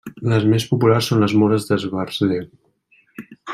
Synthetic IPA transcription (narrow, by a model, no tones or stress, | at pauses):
ləzmespupularsːonləzmɔɾəzðəzβarzðe